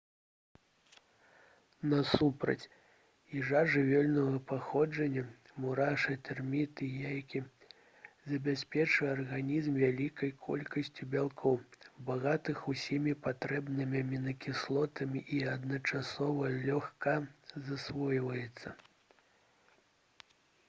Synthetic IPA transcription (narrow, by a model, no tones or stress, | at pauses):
nɐsupɾɐ̰t͡sʲ | iʐaʐɨvʲɛlʲnɐɣɐpaxɔd͡ʐɐnʲːɐ | muɾaʂɨt̪ɛrmʲit̪ɨjajkʲi | zɐbʲasʲpʲɛt͡ʂvɨarɣanʲizmvʲalʲikɐjkʰɔ̰lʲkɐsʲt͡sʲibʲalˠkʰɔwbaɣat̪ɨxusʲimʲipat̪ɾɛbnɨmʲɐmʲinɐkʲislˠɔt̪ɐmʲiʔiɐd̪nɐt͡ʂasɔvɐlʲɔxkɐzasvɔjvɐjɛt̪sːɐ